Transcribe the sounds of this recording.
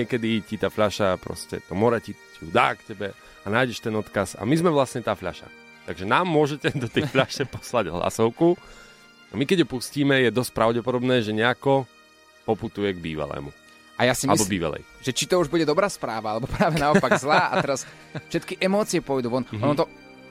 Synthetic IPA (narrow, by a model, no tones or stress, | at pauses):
ɲɪɛkɛd̪icit̪aːfʎaʃapɾɔ̰scɛ̰t̪ɔmɔɾɛciciud̪a̰ːkcɛbɛ | anaːjɟɛʃt̪ɛnɔt̪kaza̰mizmɛʋlasɲɛt̪aːfʎa̰ʃa̰ | t̪aɡʒɛnaːmːʊɔʒɛcɛd̪ɔt̪ɛfʎaʃɛpɔ̥slaɟɦla̰sɔʊku | amikɛɟɦɔpusciːmɛjɛd̪ɔsc̚pɾaʊɟɛpɔd̪ɔbnɛːʒɛɲɛakɔ | pɔput̪ujɛɡbiːʋa̰lɛ̰ːmu | ajasimalbɔbiːʋa̰lɛ̰jʒ̥ɛt͡ʃit̪ɔuʒbuɟɛd̪ɔbɾaːspɾaːʋaalɛbɔpɾaːʋɛnaɔpaɡzlaːat̪ɛɾas | fʃɛt̪kiʔɛmɔːt͡siɛpʊɔjd̪uːʋɔnɔnnɔt̪ɔ